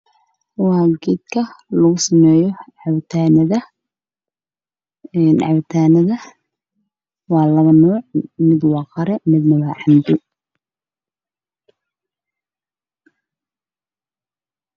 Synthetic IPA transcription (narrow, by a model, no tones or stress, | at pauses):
wɑːɡid̪kʰɐlɐɣʊsɐmɛːjɔʕɑwt̪ʰaːnɐðɐ | nʕɑ̰wt̪ʰaːnɐðɐ | wɑːlɐβɐnɔːʕmɪd̪wɑːqɑɾɛmɪd̪nɐwɑːʕɑmd̪ʊ